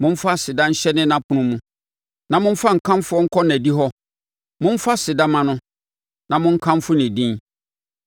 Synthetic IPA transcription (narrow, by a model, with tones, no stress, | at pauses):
mʊ̃˦m̩˦fa˦sɪ˨dã˦ɲ̩˦ɕɛ˦nɪ̃˦nã˦pʰʊ̃˦nʊ̃˦mũ˦ | nã˨mʊ̃˦m̩˦fa˦ŋ̩˨kʰã˦m˦fʊ˦ɔ˦ŋ̩˦kʰɔ˦næ˨di˦ɦɔ˦ | mʊ̃˦m̩˦fa˦sɪ˨da˦mã˨nʊ̃˦ | nã˨mʊ̃˦ŋ̩˦kʰã˦m˦fʊ˦nɪ̃˨dĩ˦n